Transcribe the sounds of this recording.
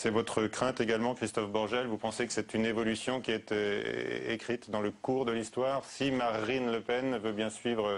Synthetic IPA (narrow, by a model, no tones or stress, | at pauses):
sɛvɔt̪χəkχɛ̃t̪eɡalmɑ̃kχist̪ɔfbɔʁʒɛlvupɑ̃sekə̥sɛt̪ynevɔlysjɔ̃kʲiɛt̪ | ekχit̪d̪ɑ̃ləkuʁd̪əlist̪waːʁsimaʁinləpɛnvøbjɛ̃sɥivʁ